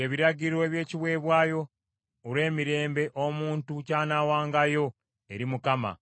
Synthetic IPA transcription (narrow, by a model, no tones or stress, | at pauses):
eβiɾaɟiɾwe̞ːβje̞ːciβwe̞ːβwaːjo̞ | uɾe̞ːmiɾe̞ːmbe̞ʔomuːntucaːnawaːŋɡajo̞ | e̞ɾimukama̰